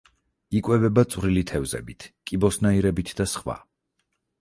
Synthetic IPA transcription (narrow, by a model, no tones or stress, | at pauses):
ikʼwɛvɛbat̪sʼwɾilit̪ʰɛvzɛ̰bit̪ʰkʼibɔsnaiɾɛbit̪ʰd̪asχwa̰